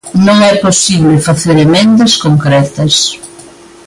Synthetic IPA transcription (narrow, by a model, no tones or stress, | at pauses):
nõŋɛposiβlɪfaθeɾemẽnd̪ɐskoŋkɾɛt̪ɐs